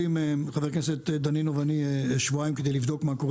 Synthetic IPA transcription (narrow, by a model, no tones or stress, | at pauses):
imeχaveʁkneset̪d̪aninovanieʃvuaimked̪ejlivd̪o̞kmakoʁ